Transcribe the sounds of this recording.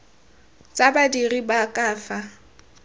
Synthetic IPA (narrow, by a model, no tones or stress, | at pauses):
t͡sʼabadiribakʼaːfa